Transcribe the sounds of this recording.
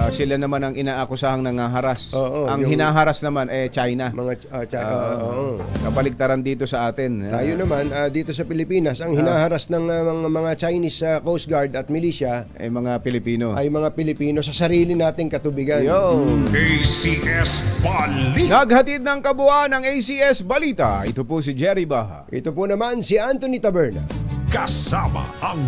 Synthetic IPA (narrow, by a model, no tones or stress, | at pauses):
asɪlanɐmanɐŋʔɪnaːʔkʊsaːhɐŋnɐŋaːɦɐɾasʔoːʔoʔɐŋjhɪnaːɦɐɾasnɐmanɛt͡ʃajnɐmɐŋa | aoʔoːʔokɐpɐlɪɡ̚t̪ɐɾand̪iːt̪o̞sɐʔaːt̪ɪnt̪aːjonɐmanɐd̪iːt̪o̞sɐpɪlɪpiːnɐsʔɐŋhɪnaːhɐɾasnɐŋɐɐŋmɐŋat͡ʃajnisɐkowst̪̚ɡaɹd̪ɐt̪̚mɪliːsɐʔɐ̰jmɐŋapɪlɪpiːnoʔɐjmɐŋapɪlɪpiːno̞sɐsɐɾiːlɪnaːt̪ɪŋkɐt̪ʊbɪɡanj̪oejsiʔɛsbɐlinɐɡ̚hɐt̪id̪̚nɐŋkɐbʊʔanɐŋejsiɛsbɐliːt̪ɐ̰ʔɪt̪opʊs̬ɪd͡ʒɛɾɪbaːha̰ʔɪt̪opʊnɐmansiʔant̪onit̪ɐbɛɹnɐ̰kɐsamɐ̰ʔɐŋ